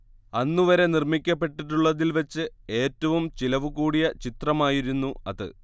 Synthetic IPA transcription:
ɐnːuʋɐɾe̞nirmikʲːɐpːe̞ʈːiʈːuɭːɐðilʋɐt͡ɕːɨe̞ːtːɐʋumt͡ɕilɐʋukuːɽijɐt͡ɕit̪rɐmaːjiɾunːuɐðɨ̰

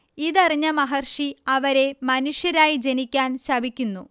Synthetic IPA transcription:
iðɐriɲːɐmɐɦɐrʂiɐʋɐɾe̞mɐnuʂjɐɾaːjid͡ʑe̞nikʲːaːnɕɐbʱikʲːunːu

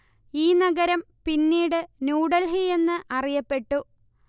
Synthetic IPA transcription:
iːnɐɡɐɾɐm | pinːiːɽɨnuːɽɐlɦie̞nːɨʔɐrijɐpːe̞ʈːu

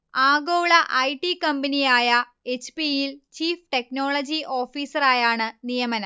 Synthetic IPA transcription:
aːɡoːɭɐʔɐjʈːikɐmbɐnijaːjɐ | et͡ɕpijilt͡ɕiːfʈe̞kno̞ːɭɐd͡ʑiʔo̞ːfiːsɐraːjaːɳɨnijɐmɐnɐ

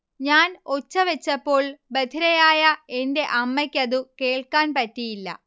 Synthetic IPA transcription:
ɲaːno̞t͡ɕːɐʋet͡ɕːɐpːo̞ːɭbɐd̪ʰʱiɾɐjaːjɐe̞nde̞ʔɐmːɐkʲːɐðɨke̞ːɭkaːnpɐtːijilːɐ̰

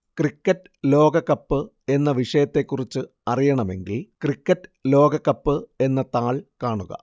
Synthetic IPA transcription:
krikːɐtːɨlo̞ːɡɐkːɐpːɨ | e̞nːɐʋiʂɐjɐt̪ːe̞kːurit͡ɕːɨ | ɐrijɐɳɐme̞ŋɡilkrikːɐtːɨlo̞ːɡɐkːɐpːɨe̞nːɐt̪aːɭkaːɳuɣɐ̰

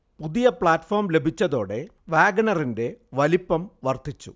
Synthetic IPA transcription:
puðijɐpɭaːtfoːrmle̞bʱit͡ɕːɐðo̞ːɽe̞ | ʋaːɡnɐrinde̞ʋɐlipːɐmʋɐrt̪it͡ɕːṵ

